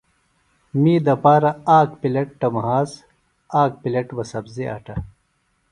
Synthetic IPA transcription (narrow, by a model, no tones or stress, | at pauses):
miːd̪ɐpaːɾɐaːkpileʈ̚ʈɐmɦaːs | aːk̚pileʈwɐsɐbzeʔɐ̰ʈɐ